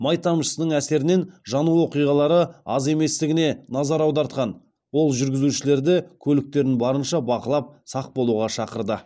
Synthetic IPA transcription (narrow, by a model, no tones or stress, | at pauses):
mɑjt̪ɑmʃə̥sənəɴæse̞ɾɪne̞nʒɑnuwo̞qijʁɑlˠɑɾəɑze̞me̞st̪ɪɡʲɪne̞nɑzɑɾɑwd̪ɑɾt̪qɑn | wo̞lˠʒʏɾɡʲɪzuʃɪle̞ɾd̪ɪkʲʰɵlɪk̚t̪e̞ɾɪnbɑɾənʃɑbɑqəlˠɑp̚sɑq̚bo̞lˠuʁɑʃɑqəɾd̪ə